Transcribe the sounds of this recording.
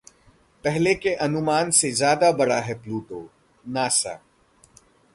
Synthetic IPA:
pɛɦlekeʔɐnʊmaːnsezjaːd̪abɐɽaɦɛpluːʈoː | naːsa̰

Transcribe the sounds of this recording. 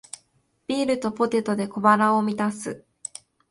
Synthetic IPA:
b̥ʲiːɾɯ̟t̪o̞po̞t̪e̞t̪o̞d̪e̞ko̞baɾao̞mʲit̪asɨ

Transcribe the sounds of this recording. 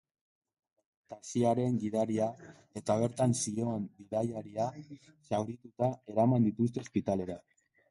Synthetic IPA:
t̪asiaɾe̞ŋɡiðaɾia | e̞t̪aβ̞e̞ɾt̪ansio̞enbiðajaɾia | sawɾit̪ut̪ae̞ɾamand̪it̪ust̪e̞ospit̪ale̞ɾa

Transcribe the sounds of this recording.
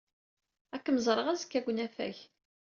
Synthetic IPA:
ækːməzˤɾˤəʁæzkːæɡʷnæfæ̰ç

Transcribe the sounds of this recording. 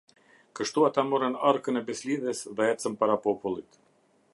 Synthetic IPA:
kəʃt̪uat̪amuɾənaɾkənɛbɛsliðɛsðɛɛt͡səmpaɾapɔpulˠit̪

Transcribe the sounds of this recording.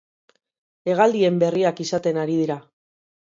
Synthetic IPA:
e̞ɣald̪ie̞mbe̞riakisat̪e̞naɾið̞iɾa

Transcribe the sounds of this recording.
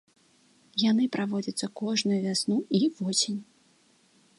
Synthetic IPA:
janɨpɾʔavɔd͡zʲɐt̪sːɐkɔʐnujuvʲasnuivɔsʲenʲ

